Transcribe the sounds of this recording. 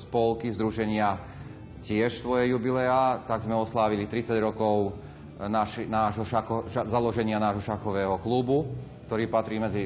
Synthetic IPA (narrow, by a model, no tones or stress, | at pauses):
spɔlkizd̪ɾuʒɛɲɪa | cɪɛʃst̪ʋɔjɛjubilɛat̪aɡzmɛɔslaːʋilit̪ɾit͡saɟɾɔkɔʊ | naʃinaːʒɦɔʃaxɔazalɔʒɛɲɪanaːʒɦɔʃaxɔʋɛːɦɔklubuk̚t̪ɔɾiːpat̪ɾiːmɛd͡zi